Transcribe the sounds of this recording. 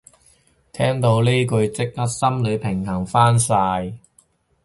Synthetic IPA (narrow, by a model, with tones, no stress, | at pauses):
t̪ʰɛː˥ŋt̪o˨˧wleː˥kɵ˧ɥt͡sɪ˥k̚hɐ˥t̚sɐ˥mlɵ˨˧pʰɪ˨˩ŋhɐ˨˩ŋfaː˥nsaː˧j